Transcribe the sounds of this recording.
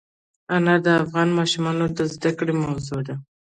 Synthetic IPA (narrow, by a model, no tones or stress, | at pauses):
anɑd̪əafɣɑnmɑʃʊmɑnod̪əzd̪akɽemawzod̪a